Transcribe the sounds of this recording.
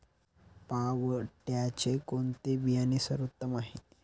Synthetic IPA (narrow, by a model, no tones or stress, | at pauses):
paʋʈjat͡ɕekoɳt̪ebijanisəɾut̪ːəmaɦe